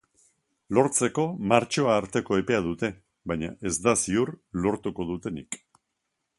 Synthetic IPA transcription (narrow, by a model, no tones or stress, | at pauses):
lo̞ɾt͡se̞ko̞maɾt͡ʃo̞aːɾt̪e̞ko̞e̞pe̞að̞ut̪e̞ | βajɲaʔe̞zd̪asiuɾlo̞ɾt̪uko̞ðut̪e̞nḭk